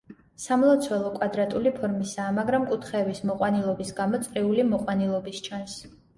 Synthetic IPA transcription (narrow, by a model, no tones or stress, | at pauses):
samlˠɔt̪sʰwɛlˠɔkʼwad̪ɾat̪ʼulipʰɔɾmisaːmaɡɾamkʼut̪ʰχɛːbismɔqʼwanilˠɔbisɡamɔt̪sʼɾiulimɔqʼwanilˠɔbist͡ʃʰans